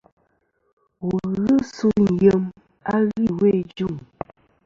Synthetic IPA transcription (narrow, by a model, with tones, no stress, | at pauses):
wu˨ɣɨ˦su˦n̩˨jə˦m | a˦ɣi˦˨we˦˨d͡ʒu˦˨ŋ